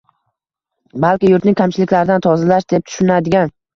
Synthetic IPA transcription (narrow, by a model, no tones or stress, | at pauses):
balˠkʲɪjʊɾt̪nɪŋʲkʲʰamt͡ʃʰɪlɪkʲlaɾɪd̪ant̪ʰɒzɪlaʃd̪e̞p̚t̪ʰʊ̥ʃɪnad̪ɪɡʲan